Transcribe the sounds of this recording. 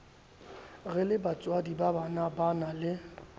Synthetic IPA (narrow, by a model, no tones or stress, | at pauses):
ɣɛlɪbat͡sʼwadibabanabanalɪ